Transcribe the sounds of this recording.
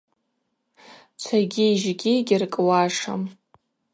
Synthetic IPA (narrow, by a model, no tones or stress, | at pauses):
t͡ʃʷʰaɡʲiːʒɡʲiɡʲɪrkʼwaʂa̰m